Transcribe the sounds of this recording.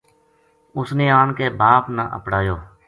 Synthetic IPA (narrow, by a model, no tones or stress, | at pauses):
ʊsnẽːaːnkeːbaːpnaːʔə̰pɽaːjoː